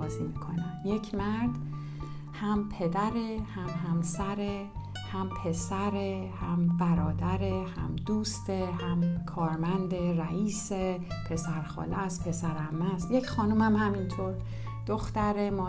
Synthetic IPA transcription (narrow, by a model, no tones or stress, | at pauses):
zimikʰonæmje̞cʰmæɾd̪ | hæmpʰe̞d̪æɾehæmhæmsæɾe | hæmpʰe̞sæɾehæmbæɾɒːd̪æɾehæ̰md̪uːst̪ehæmkʰɒːɾmænd̪e̞ɾæʔiːsepʰe̞sæɾxɒ̰ːleæspʰe̞sæɾæmːæst̪je̞cxɒːnumæmhæmint̪ʰoɾ | d̪̥oxt̪æɾe̞mɒː